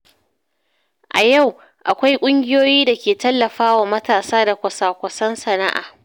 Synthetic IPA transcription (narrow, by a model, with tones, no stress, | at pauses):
ʔa˨ja˦˨w | ʔa˨kʷa˦jkʷʼʊ˦ŋɡʲɪ˦joː˦jiː˦da˨kʲeː˨tɐ˦lːɐ˨ɸaː˦waː˨mɐ˦taː˨saː˦da˨kʷɐ˨saː˨kʷɐ˨sɐ˦nsɐ˨na̰˦ʔa̰ː˨